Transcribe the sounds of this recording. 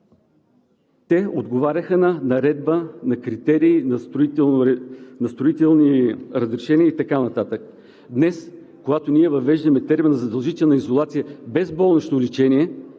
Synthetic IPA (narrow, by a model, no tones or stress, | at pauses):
t̪ɛod̪ɡovaɾʲəxənɐnɐɾɛd̪̚bənɐkɾit̪ɛɾiːnɐso | nɐst̪ɾʊit̪ɛlˠniɾəzɾɛʃɛniəit̪ɐkanɐt̪at̪ək | d̪nɛs | koɡat̪oniɛvɐvɛʒd̪ɐmɛt̪ɛɾmɛnɐzɐd̪ɐlˠʒit̪ɛlˠnəizolˠat̪sijəbɛzbɔlˠnot͡ʃnolit͡ʃɛniɛ